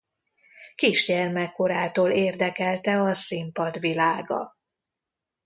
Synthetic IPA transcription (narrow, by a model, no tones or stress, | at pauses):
kiʃɟɛrmɛkːo̞ɾaːt̪oːleːrd̪ɛkɛlt̪ɛɒsimpɒd̪ʋilaːɡɒ̰